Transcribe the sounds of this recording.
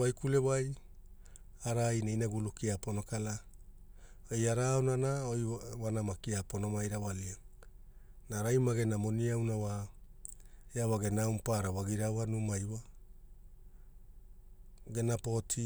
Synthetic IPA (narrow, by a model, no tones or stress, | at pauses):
ajkule̞waj | aɾajnajnaɡulukiapono̞kala | ojaɾaonanaojwanamakiaponomajɾawalia | naɾajmaɡe̞namo̞niawnawa | eawaɡe̞nawmpaɾawaɡiɾawanumajwa | ɡe̞napo̞tʰi